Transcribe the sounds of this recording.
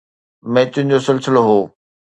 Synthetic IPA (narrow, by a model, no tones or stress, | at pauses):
mɛ̃ːt̪ʊ̃ɦɪ̃ɲd͡ʑosɪlsɪloɦoː